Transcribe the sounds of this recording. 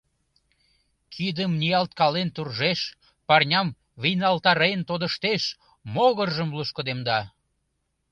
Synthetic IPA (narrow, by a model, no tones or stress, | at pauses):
kʰid̪əmnijɑlt̪̚kɑlent̪urʒeʃ | pɑrnʲɑm | βijnɑlt̪ɑɾejənt̪od̪əʃt̪eʃ | moɣərʒəmluʃkod̪emd̪ɑ